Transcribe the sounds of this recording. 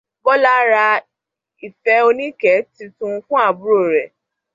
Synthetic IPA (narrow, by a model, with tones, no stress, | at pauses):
bɔ˦la˦ɾa˧ | i˨fɛ˨˦o˧nĩ˦kɛ˨˦ti˧tũ˧fũ˦a˦˨bu˦ɾo˦˨ɾɛ˨